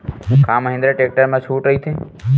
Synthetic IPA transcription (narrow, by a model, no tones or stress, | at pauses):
ɦũkʰãməɦɪ̃nd̪ɾəʈek̚ʈəɾmãʃuːʈɾəɦit̪ʰẽ